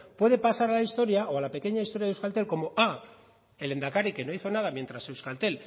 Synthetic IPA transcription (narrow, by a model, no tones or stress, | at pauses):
pwe̞ðe̞pasaɾalaist̪o̞ɾjaʔoalape̞ke̞ɲaist̪o̞ɾjaðewskalt̪e̞lko̞mo̞ʔa | e̞le̞nd̪akaɾike̞no̞iθo̞nað̞amje̞nt̪ɾasewskalt̪e̞l